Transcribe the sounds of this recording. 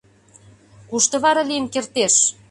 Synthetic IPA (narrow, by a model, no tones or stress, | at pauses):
kuʃt̪ɤ̆βɑɾɑliənkert̪eʃ